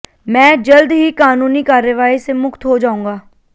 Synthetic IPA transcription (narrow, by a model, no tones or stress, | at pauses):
mɛ̃ːd͡ʒəld̪ɦiːkaːnuːniːkaːɾjəʋaːisemʊkt̪ɦod͡ʒaːũ̆ːɡaː